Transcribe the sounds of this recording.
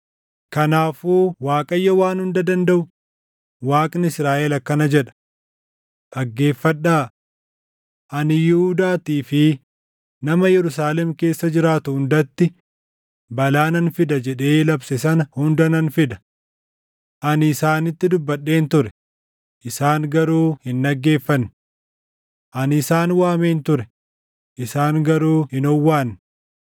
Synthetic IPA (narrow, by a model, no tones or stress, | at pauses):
kɐnaːfuːwaːkʼɐjːɐwaːnhʊnd̪ɐd̪ɐnd̪ɐʔʊ | waːkʼnɪsɾaːʔɛlɐkːɐnɐd͡ʒɛᶑɐ̥ | ʔɐɡːe̞ːfːɐɗːaː | ʔɐnɪjɪhʊd̪aːt̪iːfɪ | nɐmɐjɛɾʊs̬aːlɛmke̞ːsːɐd͡ʒɪɾaːt̪ʊhʊnd̪ɐt̪ːɪ | bɐlaːnɐnfɪd̪ɐd͡ʒɛᶑe̞ːlɐbsɛs̬ɐnɐhʊnd̪ɐnɐnfɪd̪ɐ̥ | ʔɐnɪsaːnɪt̪ːɪd̪ʊbːɐᶑːe̞ːnt̪ʊɾɛ̥ | ʔɪsaːŋɡɐɾuːhɪnːɐɡːe̞ːfːɐnː | ʔɐnɪsaːnwaːme̞ːnt̪ʊɾɛ | ʔɪsaːŋɡɐɾuːhɪnɔwːaːn